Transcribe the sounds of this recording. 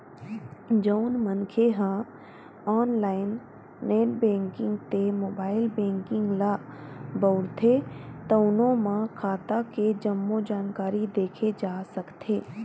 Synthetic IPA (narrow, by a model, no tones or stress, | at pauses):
d͡ʒəʊnmənkʰeɦã | aːnlaːɪnː | eːʈbẽːŋkɪ̃ŋɡt̪emoːbaːɪlbẽːŋkɪ̃ŋɡlabəʊɾt̪ʰet̪ɐʊnõmãkʰaːt̪aked͡ʒɐmːod͡ʒaːnkaːɾid̪eːkʰed͡ʒaːsɐkt̪ʰeː